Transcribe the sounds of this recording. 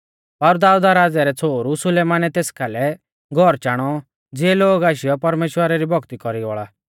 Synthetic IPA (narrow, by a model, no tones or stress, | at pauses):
pɐɾd̪aːud̪aɾaːd͡zɛɾɛt͡sʰoːɾusʊleːmaːnɛt̪eːskʰaːlɛ | ɡʱɔɾt͡ʃaːɽ̃ɔ | d͡zɪɛloːɡaːʃ̬ɪjɔpɐɾmeːʃwəɾaɾibʱɔɡt̪ikɔɾiɔ̰ːɭa